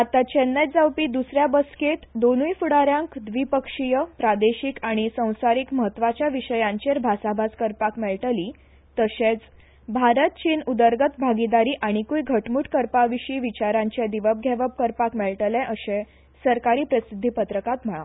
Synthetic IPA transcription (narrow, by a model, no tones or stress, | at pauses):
at̪at͡ɕenːəd͡zawpiːd̪usɾjabəsket̪d̪onujfuɽaɾjãŋkd̪ʋipəkʂijəpɾad̪eɕikaɽ̃isə̃w̃saɾiːkməɦət̪ːʋat͡ɕjaʋiɕəjãɲt͡ɕeɾbʱasabʱad͡zkəɾpakmɛɭʈəli | t̪əset͡s | bʱaɾət̪̚t͡ɕiːnud̪əɾɡət̪bʱaɡid̪aɾiːʔaɽ̃ikuːjɡʱəʈmuːʈkəɾpaʋiɕiʋit͡ɕaɾãɲt͡ɕed̪iʋəb̚ɡʱɛʋəp̚kəɾpakmɛɭʈəlɛ̃ʔəɕẽ | səɾkaɾiːpɾəsid̪ʱːipət̪ɾəkat̪m̤əɭa̰